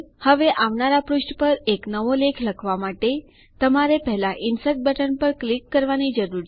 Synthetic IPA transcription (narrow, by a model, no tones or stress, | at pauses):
həʋeʔaʋnaɾapɾʊʃʈpəɾeknəʋolekʰləkʰʋamaʈe | t̪əmaɾepəɦlaʔɪnsəʈ̪̚bəʈənpəɾklikːəɾʋanid͡ʒəɾuɾ